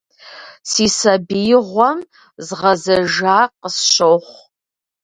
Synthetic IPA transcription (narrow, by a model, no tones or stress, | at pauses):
siːsɐbijɪʁʷɔm | zʁɐzɐʒaːqəsɕoːχʷ